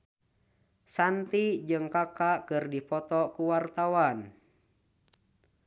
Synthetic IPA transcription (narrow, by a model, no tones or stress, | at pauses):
sant̪id͡ʒɨŋkakakɨrdipɔt̪ɔkuwart̪awan